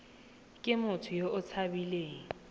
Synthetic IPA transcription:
kʼɪmʊtʰʊjoʔʊt͡sʰabileːŋ̩

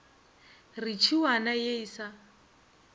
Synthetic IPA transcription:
rit͡ʃʰiwanajeisa

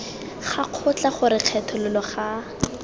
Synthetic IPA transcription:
χaq͡χʰʊt͡ɬaχʊɾɪq͡χʰɛtʰɔlɪlɔχa

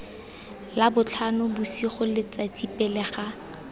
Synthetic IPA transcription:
labʊt͡ɬʰanʊbʊsiχʊlɪt͡sat͡sipʼɛlɛχa

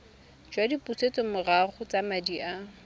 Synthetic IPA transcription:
d͡ʒwadiput͡set͡sʼɔmʊraχʊt͡samadiʔa

